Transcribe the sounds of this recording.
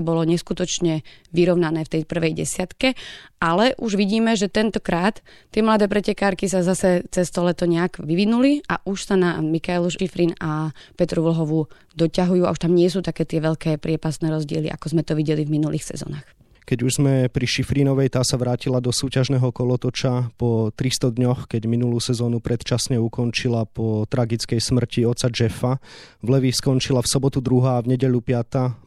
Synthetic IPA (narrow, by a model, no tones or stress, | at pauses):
bɔlɔɲɛskut̪ɔt͡ʃɲɛʋiɾɔʊnanɛːft̪ɛjpr̩ʋɛjɟɛ̰sɪat̪kɛalɛʔuʒʋiɟiːmɛʒɛt̪ɛnt̪ɔkɾaːt̪ːɪɛmlad̪ɛːpɾɛcɛkaːɾkisazasɛt͡sɛst̪ɔlɛt̪ɔɲɛakʋiʋinuliʔa̰ʔuʃsanamikajluʃʃifɾiːnapɛt̪ɾuʋl̩ɦɔʋu | d̪ɔcaɦujuːa̰uʃt̪amɲɪɛs̬uːt̪akɛːt̪ɪɛʋɛʎkɛːpɾɪɛpast̪nɛːɾɔzɟɪɛlḭʔa̰kɔzmɛt̪ɔʋiɟɛlivminulʔiːxsɛ̰zɔ̰naːx | kɛɟuʒzmɛpɾiʃifɾinɔʋɛjt̪aːsaʋɾaːcilad̪ɔsuːcaʒnɛːɦɔkɔlɔt̪ɔt͡ʃapɔt̪ɾist̪ɔd̪ɲɔxkɛɟminuluːsɛzɔːnupɾɛt̪t͡ʃasɲɛukɔnt͡ʃilapɔt̪ɾaɡit͡skɛjsmr̩ciɔt̪t͡sad͡ʒɛfavlɛʋiskɔnt͡ʃilafsɔbɔt̪ud̪ɾuɦaːvɲɛɟɛʎupɪat̪a